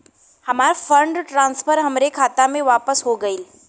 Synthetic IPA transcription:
həmaɾfəɳɖʈɾãnsfəɾɦəmɾekʰat̪ameʋapəsɦoɡəiːl

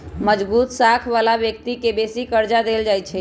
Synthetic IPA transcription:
məd͡ʒbut̪sakʰʋalabjək̚t̪ikebesikəɾd͡ʒad̪eld͡ʒajt͡ʃʰɛ

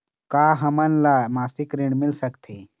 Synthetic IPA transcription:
kaɦəmənlamasikɾiɳmilsəkt̪ʰe

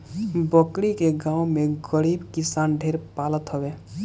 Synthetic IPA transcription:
bəkɽikeɡãːumeɡəɽiːbkɪsanɖʱeɾpalət̪ɦəbe

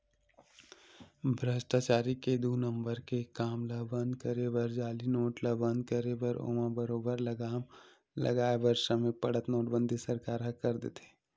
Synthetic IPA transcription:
bʱɾəʃʈaːt͡ʃaːɾiked̪uːnə̃mbəɾkekaːmlabə̃nd̪kəɾebəɾd͡ʒaːlinoːʈlabə̃nd̪kəɾebəɾo̰ːmãbəɾoːbəɾləɡaːm | lɐ̰ɡaːebəɾʃəmẽpɐɽət̪noːʈbə̃nd̪ʱisəɾkaːɾɦɐkɐɾd̪ḛːt̪e̥ː

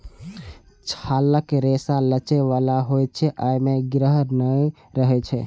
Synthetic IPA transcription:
t͡ʃʰaləkɾesalət͡ʃɛʋalaɦojt͡ʃʰɛʔajmeɡɾəɦnəj | ɾəɦɛt͡ʃʰɛ

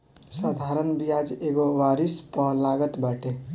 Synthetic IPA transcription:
səd̪ʱaɾənbijad͡ʒeɡoʋaɾispəɦlaɡət̪baʈe

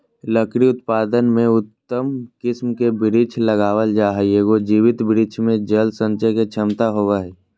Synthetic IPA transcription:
ləkɾiʊt̪paːd̪ənmẽʊt̪ːəmkɪsmkebɪɾit͡ʃʰləɡaːʋəld͡ʒaːɦajeːɡod͡ʒiːʋɪt̪bɪɾit͡ʃʰmẽd͡ʒəlsə̃nt͡ʃəket͡ʃʰəmt̪aɦoʋaɦɛː

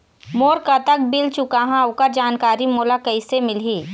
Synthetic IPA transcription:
moːɾkat̪ɐk̚bɪlt͡ʃʊkaɦãʊkəɾd͡ʒaːnkaːɾimoːlakɐisemɪlɦiː

